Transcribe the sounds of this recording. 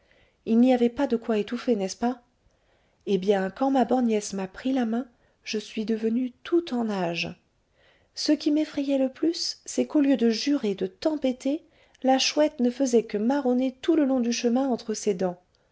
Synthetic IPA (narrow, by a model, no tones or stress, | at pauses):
ilniavɛpad̪əkwaet̪ufenɛspa | ebjɛ̃kɑ̃mabɔʁnjɛsmapχilamɛ̃ | ʒ̥əsɥid̪əvənyt̪ʰut̪ɑ̃naʒ | səkʲimefχɛjɛləplysːɛkoljød̪əʒyʁed̪ət̪ɑ̃pet̪e | laʃwɛt̪nəfəzɛkəmaʁɔnet̪uləlɔ̃d̪yʃəmɛ̃ɑ̃t̪χəsed̪ɑ̃